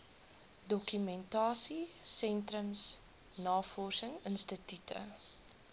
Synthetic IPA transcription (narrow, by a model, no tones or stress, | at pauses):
dɔkymɛntɑːsisɛntrəms | nɑːfɔrsəŋənstətytʰə̰